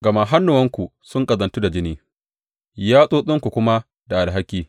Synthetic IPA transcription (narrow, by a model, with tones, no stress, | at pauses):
ɡɐ˨ma˦˨ɦa˦nːʊ˨wɐ˦ŋkʷu˨sʊ˦ŋkʼɐ˨zɐ˨ntu˦da˨d͡ʒɪ˦niː˦ | jaː˦sʼoː˦sʼʊ˦ŋkʷu˨kʷʊ˦ma˦ | da˨ʔa˨lɦa˦kʲiː˦